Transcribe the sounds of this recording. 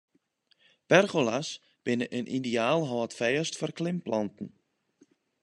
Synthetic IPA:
pɛrɣolas | b̥ɪnəʔənʔideaːlˠɦɔːətfɛjəstfɔrklɪmplɔntn̩

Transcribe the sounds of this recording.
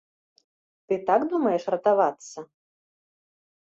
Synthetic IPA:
t̪ɨt̪aɡd̪umɐjɛʂrɐt̪avat̪sːɐ

